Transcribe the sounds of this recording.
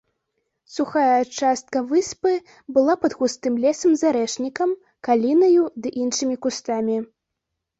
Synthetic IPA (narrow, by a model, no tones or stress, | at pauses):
suxajɐːt͡ʂast̪̚kɐvɨspɨ | bɨlˠapɐd̪xust̪ɨmlʲɛsɐmzaɾɛʂnʲikɐm | kalʲinɐjud̪ɨʔinʂɨmʲikust̪amʲi